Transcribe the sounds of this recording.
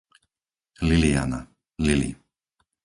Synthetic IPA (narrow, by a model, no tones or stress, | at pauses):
lilia̰na̰ | lilḭ